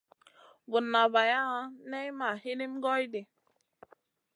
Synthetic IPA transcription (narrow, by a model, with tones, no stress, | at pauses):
bʊ˨nːa˨ba˨ja˦a˦ne˦i˦ma˨hi˦ni˦m̩˦ɡɔ˦i˦dɪ˨